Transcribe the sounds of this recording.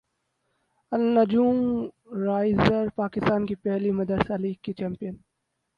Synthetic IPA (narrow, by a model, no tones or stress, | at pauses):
ɐlnɐd͡ʒuːm | ɾaːɪzəɾpaːkɪst̪aːnkipɛɦlimɐd̪əɾsaːliːɡkit͡ʃɛːmpijən